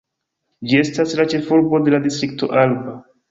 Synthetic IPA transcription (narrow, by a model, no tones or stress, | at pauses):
d͡ʒie̞staslat͡ʃe̞fuɾbo̞de̞ladistɾik̚to̞̰ʔalba